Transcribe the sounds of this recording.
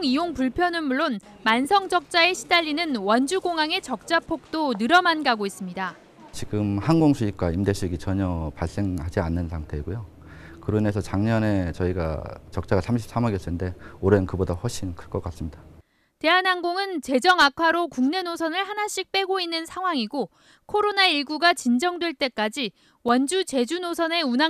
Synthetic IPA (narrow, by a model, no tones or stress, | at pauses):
ŋijoŋpuɭpʰjʌnɯnmuɭːon | mansʰʌŋd͡ʑʌk̚t͡ɕ͈ae̞ɕʰidaʎːinɯnwʌnd͡ʑuɡoŋaŋe̞t͡ɕʌk̚t͡ɕ͈apʰok̚t͈onɯɾʌmanɡaɡois͈ɯmɲida | t͡ɕiɡɯmhanɡoŋsʰuip̚k͈waimde̞ɕʰiɡit͡ɕʌɲʌpaɭs͈e̞ŋhad͡ʑianːɯnsʰaŋtʰe̞iɡujo | kɯɾɯnesʰʌt͡ɕaŋɲʌne̞t͡ɕʌiɡa̰t͡ɕʌk̚t͡ɕ͈aɡasʰamɕʰi̥p̚s͈amaɡjʌs͈ende̞oɾenkɯbodawʌɭɕ͈ʰinkʰɯɭk͈ʌk͈as͈ɯmɲida | te̞ɦanɦanɡoŋɯnt͡ɕe̞d͡ʑʌŋakʰwaɾokuŋne̞nosʰʌnɯɭhanaɕ͈ik̚p͈e̞ɡoinːɯnsʰaŋɦwaŋiɡo | kʰoɾonaiɭɡuɡat͡ɕind͡ʑʌŋdwe̞ɭt͈e̞k͈ad͡ʑi | wʌnd͡ʑut͡ɕe̞d͡ʑunosʰʌne̞una